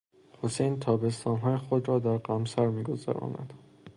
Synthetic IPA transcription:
hosejnt̪ʰɒːbe̞st̪ʰɒːnɦɒːjexod̪ɾɒːd̪æɾɢæmsæɾmiːɡo̞zæ̰ɾɒ̰ːnæ̰d̪̥

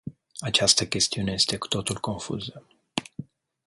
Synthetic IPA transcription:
at͡ʃast̪əkʲe̞st̪iune̞je̞st̪e̞ku̥t̪o̞t̪ulko̞nfṵzə

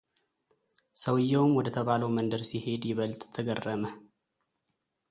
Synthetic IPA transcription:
səwɨjːɛwmwɔd̪ət̪ʰəβaləwmənd̪əɾsihe̞d̪jɪβəlt̪t̪ʰːəɡərːəmə

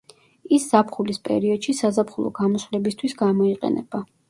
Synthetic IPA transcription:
isz̥apʰχulispʼɛ̰ɾiɔd̪̥ʃisazapʰχulˠɔ̰ɡ̥amɔsvlɛbist̪ʰwisɡamɔiqʼɛ̰nɛb̥a

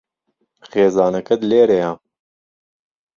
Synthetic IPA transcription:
xeːzɑːnɐkɐd̪leːɾeja

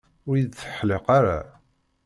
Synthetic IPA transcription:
ʊɾjid̪θə̥ħleqaɾa̰

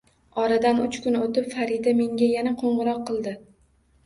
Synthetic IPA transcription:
ɒɾad̪anʊt͡ʃkʰʊnot̪ɪpfaɾid̪ame̞ŋɡʲajanaqʰoɴʁɨɾɒqːɨlˠd̪ɪ

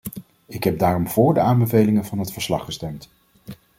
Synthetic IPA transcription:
ɪkɦɛb̚daːrɔmv̥ʊːɹdəaːnbəvejlɪŋənvɑnɦətfəɹslɑ̰χːəstɛmt

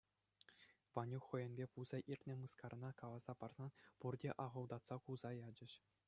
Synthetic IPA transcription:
ʋɑnʲuxχːɤ̆jɘ̆nʲbʲepuzɑʔirʲt̪ʲnʲɘ̆mɯskɑrnɑkɑlˠɑz̥ɑpɑrz̥ɑnpurdʲeʔɑʁɤ̆lˠd̪ɑt̪sɑkulzɑjɑd͡ʑɘ̆ɕ

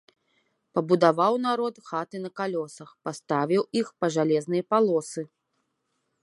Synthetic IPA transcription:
pɐbud̪avawnaɾɔt̪xat̪ɨnɐkalʲɔsɐxpast̪avʲiwixpɐʐalʲɛznɨjɐpalˠɔsɨ

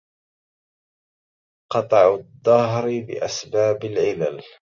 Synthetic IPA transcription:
qɑt̪ˤɑʕʊd̪ˤːɑɦɾbɪ̰ʔasbaːbalʕɪla̰l

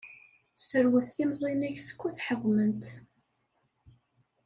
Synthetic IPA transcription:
səɾwəθθimzˤinæʝsə̥kʷːuθħəwːmənt̪

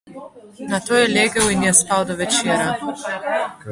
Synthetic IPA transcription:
nat̪oːjɛleːɡɛwinjɛspawd̪ɔʋɛt͡ʃeːɾa

